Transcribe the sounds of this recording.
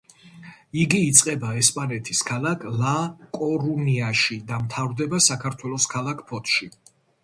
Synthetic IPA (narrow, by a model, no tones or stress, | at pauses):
iɡiːt̪sʼqʼɛbaɛspʼanɛt̪ʰiskʰalˠakʰlakʼɔɾuniaʃid̪amt̪ʰavɾd̪ɛbasakʰaɾt̪ʰwɛlˠɔskʰalˠakʰpʰɔt̪ʰʃi